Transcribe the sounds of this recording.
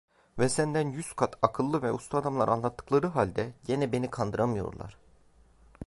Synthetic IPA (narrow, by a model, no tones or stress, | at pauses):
vɛsænd̪ænjyskʰat̪ʰakʰɯlˠːɯvɛʔust̪ʰuad̪amlˠa̰ɾʔanlˠat̪ʰːɯ̥klˠaɾɯɦalʲd̪ɛɟenɛbe̞nikʰand̪ɯɾamɯjo̞̰ɾlˠa̰ɾ̥